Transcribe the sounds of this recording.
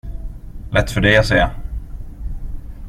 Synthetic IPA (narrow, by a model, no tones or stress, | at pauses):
lʔɛt̪ːfœɖɛjasɛː